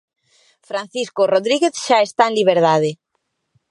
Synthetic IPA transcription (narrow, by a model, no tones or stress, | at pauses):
fɾan̟θiskoroðɾiɣeθʃaest̪aenliβ̞eɾðaðe